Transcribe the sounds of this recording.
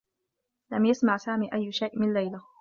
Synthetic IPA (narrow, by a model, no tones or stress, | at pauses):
lamjasmaʕsaːmiːʔajːʃajʔmɪnlajla